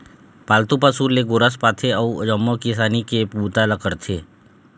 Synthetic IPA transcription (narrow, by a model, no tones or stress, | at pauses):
paːlt̪upasuɾleɡʊɾəspaːt̪ʰeəud͡ʒəmːokɪsaːnikepuːt̪aləkəɾt̪ʰeː